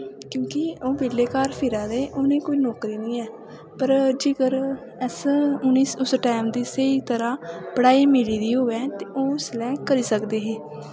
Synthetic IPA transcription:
kjõːkɪoːbeːleːkaːɾpʰɪɾãːd̪eːʔoːnẽːkoːiːnɔːkɾiːnəĩːɛː | pəɾd͡ʒeːɡəɾ | əsʊniːsʊsʈɛːmd̪iːsəiːt̪əɾãːpəɽaːiːmeːliːd̪iːɦoːɛ̃ːt̪eːoːɪslɛːkəɾiːsəkd̪eːɦeː

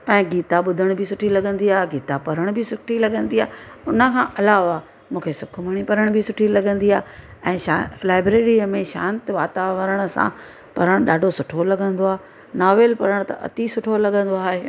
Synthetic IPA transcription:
pɛ̃ːɡiːt̪aɓʊd̪ʱəɽ̃bʱɪsʊʈʰilɐɠʱə̃n̆d̪iaːɦɡiːt̪apɐɾəɽ̃bʱɪsʊʈʰilɐɠə̃nd̪iaːʊnə̆kʰãːʔɐlaːʋa | mũːkʰesʊkʰʊməɽ̃ipɐɾəɽ̃bʱɪsʊʈʰilɐɠə̃nd̪iaːɦɛ̃ːʃalaːɪbɾeːɾiəmẽʃã̰ːnt̪ʋaːt̪aːʋəɾəɽ̃ʊ̆sã̰ | pɐɾəɽ̃ɗaːɖʱosʊʈʰolɐɠʱə̃nd̪oaːɦ | naːʋelpɐɾəɽ̃t̪ɐ̰ʔɐ̰t̪isʊʈʰolɐɡə̃nd̪oaːɦeː

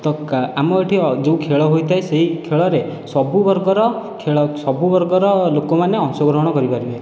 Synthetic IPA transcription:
t̪ɔamɔeʈʰid͡ʒeũkʰeɭɔɦojt̪ʰaeseɦikʰeɭɔɾesɔbubɔɾɡɔɾɔkʰeɭɔsɔbubɔɾɡɔɾɔlokɔmaneɔŋsɔɡɾɔɦɔɽ̃ɔkɔɾipaɾibe

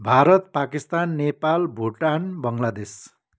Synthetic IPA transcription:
bʱaɾʌt̪̚pakist̪anːepalbʱuʈanbʌŋlad̪es

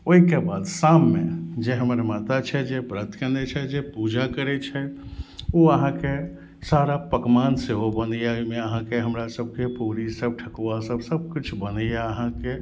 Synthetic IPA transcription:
oɦikebad̪samːed͡ʒeɦəməɾmat̪at͡ʃʰɛd͡ʒepɾət̪ʰkənɛt͡ʃʰɛd͡ʒepud͡ʒakəɾɛt͡ʃʰɛ | oəɦãke | saɾapəkmanseɦobənəjameəɦãkeɦəmɾasəb̚ʱkepuɾisəb̚ʈʰəkasəbsəb̚ʱkit͡ʃʰbənəjaəɦãke

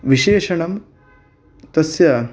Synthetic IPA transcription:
ʋiʃeːʂɐɳɐm | t̪ɐsjɐ

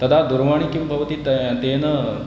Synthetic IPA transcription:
t̪ɐd̪ʰʱaːd̪uɾʋaːɳikimbʱɐʋɐt̪it̪t̪eːnɐ

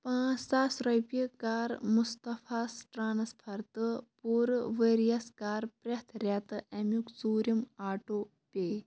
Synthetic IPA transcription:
pãːsaːsɾɐjpikaːɾmust̪ɐfʰaːsʈɾaːnɐspʰɐɾt̪ɨpuːɾʋeːɾijɐskaːɾpɾʲɐt̪ʰɾʲɐt̪ɨʔɐmjukzuːɾimaːʈoː | pʲeː

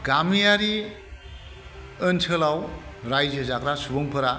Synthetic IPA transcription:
ɡamijaɾi | ɯntʰɯlawɾajd͡ʒɯzakɾasubɯŋpʰɯɾa

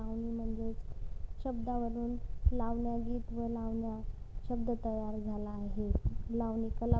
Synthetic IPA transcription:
aʋniːm̤əɳd͡zet͡sɕəbd̪aʋəɾuːnlaʋɳjaɡiːt̪ʋəlaʋɳja | ɕəbd̪ət̪əjaɾd͡zʱalaːɦelaʋniːkəla

